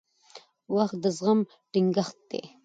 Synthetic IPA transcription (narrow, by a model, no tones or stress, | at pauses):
waxt̪̚d̪əzʁəm | ʈiŋɡaxt̪̚d̪ḛ